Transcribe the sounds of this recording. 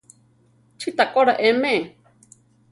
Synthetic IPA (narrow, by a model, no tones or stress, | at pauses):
t͡ʃʰɨt̪akoɾaʔemẽe